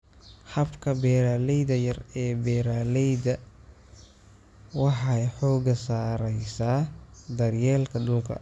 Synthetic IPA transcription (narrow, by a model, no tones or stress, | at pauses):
hɐbkʰɐbɛːɾaːlɛjðɐjɐrɛːbɛːɾaːlɛjdɐ | wɑħɑjħɔːɡɐsaːɾɛjsaːd̪ɐrjɛːlkʰɐd̪uːkʰɐ̰